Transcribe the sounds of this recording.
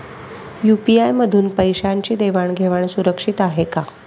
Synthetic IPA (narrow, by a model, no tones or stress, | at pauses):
jupiajməd̪ʱuːnpəjɕaɲt͡ɕiːd̪eʋaɳɡʱeʋaɳsuɾəkʂit̪aɦeka